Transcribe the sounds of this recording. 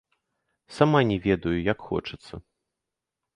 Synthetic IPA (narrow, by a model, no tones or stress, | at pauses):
samanʲɛvʲɛd̪ɐjujakxɔ̰t͡ʂɨ̥t̪sːɐ